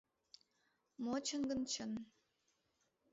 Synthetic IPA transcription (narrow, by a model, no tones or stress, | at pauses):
mot͡ɕʰə̆ŋɡə̆nt͡ɕʰən